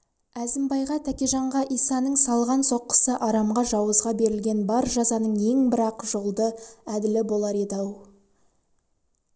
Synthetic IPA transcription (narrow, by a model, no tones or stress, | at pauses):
æzɪmbɑjʁɑt̪ʰækʲeʒɑɴʁɑʔijsɑnəɴsɑlˠʁɑnso̞qːə̥səʔɑɾɑmʁɑʒɑwəzʁɑbe̞ɾɪlɡʲe̞nbɑɾʒɑzɑnəɴe̞ŋbɪɾɑqʒolˠd̪əæd̪ɪlɪbo̞lˠɑɾed̪ɑw